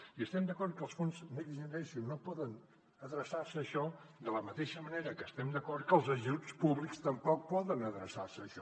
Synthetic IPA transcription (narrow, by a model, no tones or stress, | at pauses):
iəst̪ɛmd̪əkɔɾt̪̚kəlˠsfonzmekʒənɾɛnsunopɔðən | əðɾəsarsəːʃɔd̪ələmət̪eʃəməneɾəkəːst̪ɛmd̪əkɔɾt̪̚kəlˠzəʒut͡spuβlikst̪əmpɔk̚pɔðənəðɾəsarsəːʃɔ